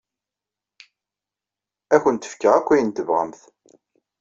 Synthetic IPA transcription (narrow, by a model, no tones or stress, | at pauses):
æçənt̪ə̥fkːəʁækʷːæjənt̪əvʁə̰mθ